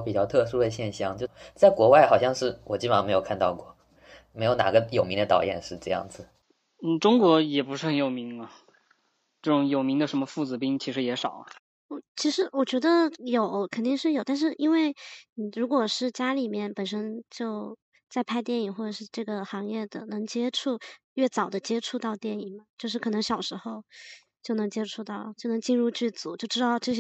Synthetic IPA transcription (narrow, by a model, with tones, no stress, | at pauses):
pi˨˩t͡ɕjɑ˥˧t̪ʰɤ˥˧ʂu˥d̪ə˨ɕjɛ˥˧nɕjɑ˥˧˦ŋt͡ɕjo˥˧˩t͡sa˥˩ɪkwɔ˧˥wa˥˩ɪxɑ˨˩ʊɕjɑ˥˧ŋʂɻ̩˥˩wɔ˨˩t͡ɕi˥˩pə˧˩˥me˧˥ɪo˨˩kʰa˥˧nt̪ɑ̰˥˧ʊkwɔ˥˩ | me˧˥ɪjo˧˥ʊna̰˨˩ɡə˦jo˨˩ʊmi˧˥ŋd̪ə˧t̪ɑ˨˩ʊjɛ̰˥˧nʂɻ̩˥˧ʈ͡ʂɤ˥˧jɑ̰˥˩ŋd͡zɹ̩˩ | n̩˥˩ʈ͡ʂʊ˥ŋkwɔ˧˥jɛ˨˩pu˧˥ʂɻ̩˥˩xə˧˩˦njo˨˩ʊmi˧˥ŋɐ˧ | ʈ͡ʂɤ˥˩ʈ͡ʂʊ˧˥ŋjo˨˩ʊmi˧˥ŋd̪ə˧ʂə˧˥nmə˧fu˥˩t͡sɹ̩˨˧˩pi˥ŋt͡ɕʰi˧˥ʂɻ̩˧˥jɛ˧˥ʂɑ˨˩ʊ˦ | ɔ˥˩t͡ɕʰi˧˥ʂɻ̩˧˥wɔ˨˩t͡ɕɥɛ˧˥d̪ə˧jo˨˩˦ʊkʰə˨˩nt̪i˥˧ŋʂɻ̩˥˩jʊt̪a˥˧nʂɻ̩˥˩i˥nwe˥˩ɪni˨˩ɻu˧˥kwɔ˨˩ʂɻ̩˥˩t͡ɕja˥li˨˩mjɛ˥˩npə˨˩nʂə˥nt͡ɕjo˥˧ʊ | t͡sa˥˧ɪpʰa˥˧ɪt̪jɛ˥˩ni˨˩xwɔ˥˩ʈ͡ʂə˨˩ʂɻ̩˥˧ʈ͡ʂɤ˥˩ɡə˩xɑ˧˥ŋjɛ˥˩d̪ə̰˩nɤ˧˥ŋt͡ɕjɛ˥ʈ͡ʂʰu˥˩ɥɛ˥˩t͡sɑ˨˩ʊd̪ə˦t͡ɕjɛ˥ʈ͡ʂʰu˥˧t̪ɑ˥˧ʊt̪jɛ˥˩ni˨˩ŋmɐ˦t͡ɕjo˥˧ʊʂ̬ɻ̩˥˩kʰɤ˨˩nɤ˧˥ŋɕjɑ˨˩ʊʂɻ̩˧˥xo˥˧ʊ | t͡ɕjo˥˩ʊnɤ˧˥ŋt͡ɕjɛ˥ʈ͡ʂʰu˥˧t̪ɑ˥˩ʊt͡ɕjo˥˩ʊnɤ˧˥ŋt͡ɕi˥˧nɻu˥˧t͡ɕy˥˩t͡su˨˩˦t͡ɕjo˥˩ʊʈ͡ʂɻ̩˥ɑ˥˧ʊʈ͡ʂɤ˥˩ɕ̬